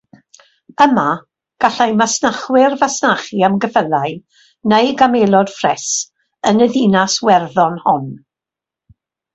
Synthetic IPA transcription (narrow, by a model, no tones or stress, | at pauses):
əma | ɡ̥aɬajmasnaχwɪrvasnaχiamɡəfəlaj | nejɡameːlˠɔd̥frɛs | ənəðinaswɛrðɔnhʊn